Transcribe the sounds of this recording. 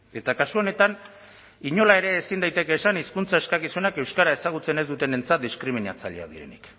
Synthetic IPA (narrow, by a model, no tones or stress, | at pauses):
e̞t̪akasuo̞ne̞t̪an | iɲo̞lae̞ɾe̞ːsind̪ajt̪e̞ke̞ːsaniskunt͡sae̞skakisuenake̞wskaɾae̞saɣ̞ut͡se̞ne̞zd̪ut̪e̞ne̞nt͡sat̪̚d̪iskɾimina̰t͡saʎea̰ðḭɾe̞̰nḭk